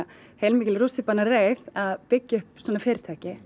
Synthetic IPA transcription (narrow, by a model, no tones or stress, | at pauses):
hejlmiːcɪlruːsɪpanareːjðaðpɪcːʏhpsɔːnafɪːɾɪ̥ɾt̪ʰɛːhcɪ